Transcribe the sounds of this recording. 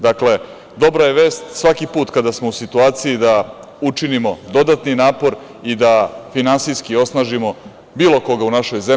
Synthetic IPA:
d̪akle̞ | d̪o̞bɾaje̞ʋe̞ːst̪sʋakipuːt̪kad̪asmo̞usit̪uaːt̪sijid̪a | ut͡ʂinimo̞d̪o̞d̪at̪ninaːpo̞ɾ | id̪afinansijskio̞snaːʒimo̞ | biːlo̞ko̞ɡaunaʃo̞jze

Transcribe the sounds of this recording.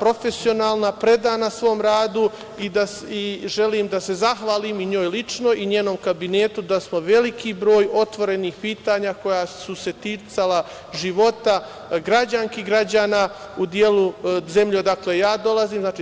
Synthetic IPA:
pɾo̞fe̞sio̞naːlˠnapɾe̞d̪aːnasʋo̞ːmɾaːd̪u | id̪a | iʒe̞liːmd̪ase̞zaxʋaːlimiɲoːjlit͡ʃno̞ʔiɲeːno̞mkabine̞ːt̪ud̪asmo̞ʋe̞likʰibɾo̞ːjo̞t̪ʋo̞ɾe̞niːxpiːt̪aːɲako̞jasuse̞t̪it̪sala | ʒiʋo̞t̪a | ɡɾad͡ʑaŋkiɡɾad͡ʑaːnaːud̪je̞luze̞mʎed̪aklejaːd̪o̞laziːmznaːt͡ʃi

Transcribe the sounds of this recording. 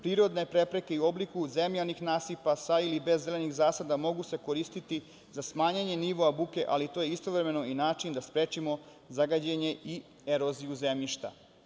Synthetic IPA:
pɾiːɾo̞d̪ne̞pɾe̞pɾeke̞iuo̞blikuzemʎanixnaːsipasailibe̞zːe̞lenixzaːsad̪amo̞ɡuse̞ko̞ɾiːst̪it̪i | zasmaːɲaɲe̞niʋo̞abuke̞ʔalit̪oːjeist̪o̞ʋɾeme̞no̞inaːt͡ʃind̪aspɾeːt͡ʃimo̞ | zaɡad͡ʑeɲe̞i | eɾo̞ziuzemʎiʃt̪a̰

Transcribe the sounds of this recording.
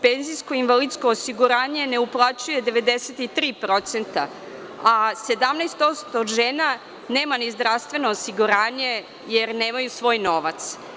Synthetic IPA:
penzisko̞inʋalid̪skoːsiɡuɾaːɲe̞ne̞uplˠat͡ɕuje̞d̪e̞ʋed̪eset̪it̪ɾiːpɾot̪se̞nt̪a̰ | ase̞d̪amnest̪o̞st̪oːd̪ʒeːna | neːmanizd̪ɾaʋst̪ʋe̞noːsiɡuɾaːɲe̞ | jeɾneːmajusʋo̞ːjnoʋat̪s

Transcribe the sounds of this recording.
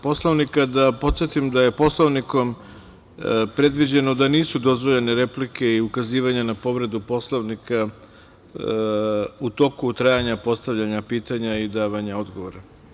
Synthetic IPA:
po̞slˠoʋnikad̪apo̞t̪sje̞t̪imd̪aje̞po̞slˠoʋniko̞m | pɾe̞d̪ʋid͡ʑe̞no̞d̪aniːsud̪o̞zʋoʎe̞ne̞ɾe̞plikʰe̞iukaziːʋaɲanapo̞ʋɾe̞d̪upo̞slˠoʋnika | ut̪o̞kut̪ɾajaɲapo̞st̪aʋʎaɲapiːt̪aɲaid̪aːʋaɲao̞d̪ɡo̞ʋoɾa

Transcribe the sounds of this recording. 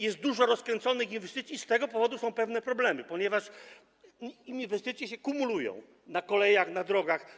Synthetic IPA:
jɛst̪̚d̪uʐɔɾɔskɾɛnt̪sɔnɘxinvɛst̪ɘt̪sʲjist̪ɛɡɔpɔvɔd̪usɔ̃w̃pɛvnɛpɾɔblɛmɘpɔɲɛvaʂ | iɲvɛst̪ɘt̪sʲjɛɕɛkumulujɔ̰̃w̃ | nakɔlɛjaxnad̪ɾɔɡax

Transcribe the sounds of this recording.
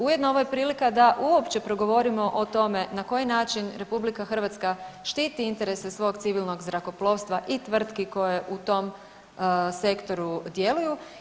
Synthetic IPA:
ujed̪nooʋoje̞pɾiːlikad̪aʔuopt͡ɕe̞pɾo̞ɡo̞ʋo̞ɾimo̞ʔot̪o̞me̞nako̞jinaːt͡ʃinɾe̞publikaxər̩ʋat̪skaʃt̪iːt̪iint̪e̞ɾe̞sesʋo̞ɡt̪siʋilno̞ɡzɾako̞plˠo̞ːʋst̪ʋaʔit̪ʋr̩t̪kiko̞jeʔut̪o̞m | se̞kt̪o̞ɾud̪je̞luju

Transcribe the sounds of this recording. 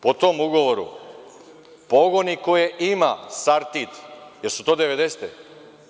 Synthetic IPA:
pot̪omuɡo̞ʋoɾṵ | poɡonikojeʔimasaɾt̪it̪jeɾsu̥t̪o̞ːd̪eʋed̪ese̥t̪e

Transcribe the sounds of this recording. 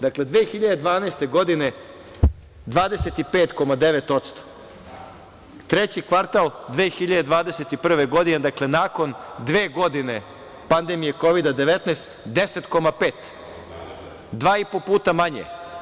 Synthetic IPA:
d̪akle̞d̪ʋeːxiʎad̪ed̪ʋaːnest̪e̞ɡo̞d̪ine̞ | d̪ʋaːd̪ese̞t̪ipeːt̪ko̞mad̪eʋe̞t̪o̞t̪st̪o̥ | t̪ɾet͡ɕikʋaɾt̪ald̪ʋeːxiʎad̪e̞d̪ʋaːd̪e̞se̞t̪ipr̩ʋeɡo̞d̪ined̪akle̞naːko̞nd̪ʋeːɡo̞d̪ine̞ | pand̪emijeko̞ʋid̪ad̪e̞ʋet̪nast̪d̪ese̞t̪ko̞mape̞ːt̪ | d̪ʋaːipo̞puːt̪amaɲḛ

